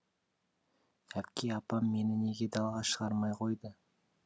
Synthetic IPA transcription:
æpkʲejɑpɑmːe̞nɪne̞ɡʲe̞d̪ɑlˠʁɑʃəʁɑɾmɑjqʰo̞jd̪ə

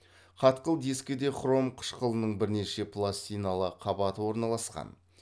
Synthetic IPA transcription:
qʰɑt̪qəlˠd̪eskʲed̪e̞χro̞mqʰʊ̥ʃqʰəlˠənəɴbɪɾne̞ʃe̞pʰlˠast̪ijnalˠəqʰɑbɑt̪əwo̞ɾnɑlˠɑsqɑ̰n

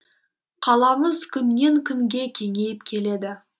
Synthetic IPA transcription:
qʰɑlˠɑməzkʲʰʏnːe̞ŋkʲʰʏŋɡʲe̞kʲʰe̞ŋe̞jɪp̚kʲʰe̞le̞d̪ɪ

